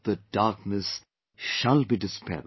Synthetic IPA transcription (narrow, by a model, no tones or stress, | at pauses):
ðəd̥ɑɹk̚nɨs | ʃəlˠbidɪspʰɛ̰l